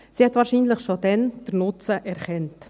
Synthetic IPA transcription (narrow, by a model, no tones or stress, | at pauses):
sihɛt̪vɑːɾʃiːnləχʃod̥ɛnd̥əɾnʊt͡səʔɛɾχɛnt